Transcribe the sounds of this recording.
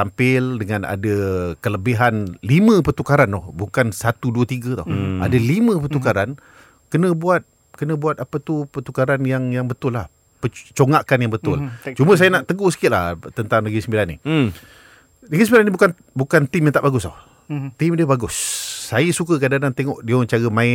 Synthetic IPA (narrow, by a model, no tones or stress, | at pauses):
t̪ampɪldəŋana̰dəkələbiɦanlimə̃pət̪ukaɾanɔhbukansat̪uduət̪iɡət̪a̰wa̰dəlimə̃pərt̪ukaɾan | kənə̃buat̪̚ | kənə̃buat̪̚apət̪upət̪ukaɾanjaŋjaŋbət̪ʊlːah | pət͡ʃoŋakanjaŋbət̪ʊlt͡ʃuməs̬ajənaʔt̪əɡosə̥kɪt̪ʔla̰ht̪ənt̪aŋnəɡisəmbilanːḭ | nəɡisəmbilanːĩbukan | bukant̪ɪmjãŋt̪aʔbaɡʊst̪ɔh | t̪ɪmdiəbaɡʊsːajəsukəkadanant̪eŋɔʔdiəməɲt͡ʃaɾəmaɪ